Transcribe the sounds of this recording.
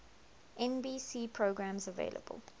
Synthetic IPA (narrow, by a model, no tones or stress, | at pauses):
ʔɛ̃nbiːsiːpʰɹoʊɡɹãmzəvḛɪlʔə̰bə̰lˠ